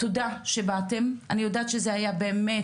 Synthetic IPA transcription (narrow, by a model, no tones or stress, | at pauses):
todaʃebatemʔanijodaːt̪ʃezehajabeːme